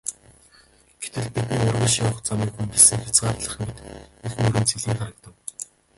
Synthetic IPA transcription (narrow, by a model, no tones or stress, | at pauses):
ɡ̥et̪ɘ̆ɮpit̪niːʊrʁʲĭːʃawə̆χt͡samiːkxunt̪ĭɮsɘ̆ŋxʲḁt͡sɢaːrɮə̆χmet̪exmɵɾɘ̆nt͡sʰeɮiːŋχaɾə̆k̚t̪ə̆w